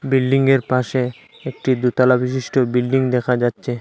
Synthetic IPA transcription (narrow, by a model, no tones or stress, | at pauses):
bilɖiŋɡeɾpaʃe | ek̚ʈid̪ut̪alabiʃiʃʈobilɖiŋd̪ɛkʰad͡ʑatːɕʰe